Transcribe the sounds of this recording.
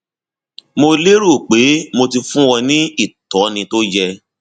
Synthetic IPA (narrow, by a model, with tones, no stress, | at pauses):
mo˧le˦ɾu˦˨k͡pe˨˦mo˧ti˧fũ˦wɔ˧nĩ˦i˦˨tɔ˨˦nĩ˧to˦d͡ʒɛ˧